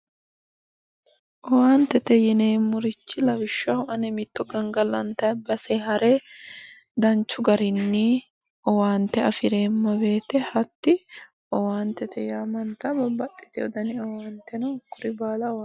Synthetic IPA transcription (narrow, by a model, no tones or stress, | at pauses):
ʔɔwaːnt̪ːɛt̪ɛjɪneːmːʊɾɪt͡ʃːɪlɐwɪʃːahʊʔɐnɛmɪt̪ːɔɡɐŋɡɐlɐnt̪ɐbɐseːhɐɾʔɛ | d̪ɐnt͡ʃːʊɡɐɾɪnːi | ʔɔwaːnt̪ːɛɐfɪɾe̞ːmːɐbe̞ːt̪ɛhɐt̪ːɪ | ʔɔwaːnt̪ɛt̪ʰɛjaːmɐnt̪ɐbɐbɐt̪ʼːɪ̥t̪ɛɔd̪ɐnɪɔwaːnt̪ːɛnɐʊkːʊɾɪbaːlɐɔ